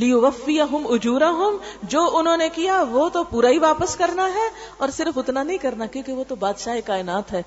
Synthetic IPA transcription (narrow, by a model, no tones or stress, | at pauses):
lɪjʊʋɐfːɪjɐɦʊmʊd͡ʒuːɾɐɦʊmd͡ʒoːʔʊnɦõːnekijaʋoːt̪opuːɾaɦiʋaːpəskɐɾnaɦɛː | ɔːɾsɪɾəfʊt̪nanɐɦĩkɐɾnakjõːkeʋot̪obaːd̪ʃaɦekaːɪnaːt̪ɦɛː